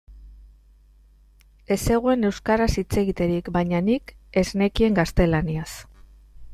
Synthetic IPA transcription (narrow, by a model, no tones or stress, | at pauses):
e̞se̞ɣ̞ue̞ne̞wskaɾasit͡se̞ɣit̪e̞ɾikbajɲanike̞zne̞kie̞ŋɡast̪e̞lanias